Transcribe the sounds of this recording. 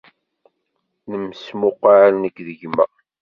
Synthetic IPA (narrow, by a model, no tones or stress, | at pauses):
nəmsmʊqaʕlnəkːðəʝmæ̰